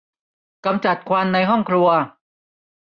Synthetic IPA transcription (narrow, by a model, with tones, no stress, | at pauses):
ka˧mt͡ɕa˨˩t̪̚kʰwa˧nːa˧jɦɔ˥˩ŋkʰlu˧ɐ